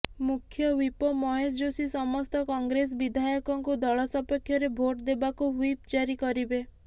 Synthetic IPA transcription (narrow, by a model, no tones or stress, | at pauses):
mukʰjɔwipɔmɔɦesd͡ʒosisɔmɔst̪ɔkɔŋɡɾes̬bid̪ʱajɔkɔŋkud̪ɔɭɔsɔpɔkʰːjɔɾebʱoʈd̪ebakuwip̚d͡ʒaɾikɔɾibe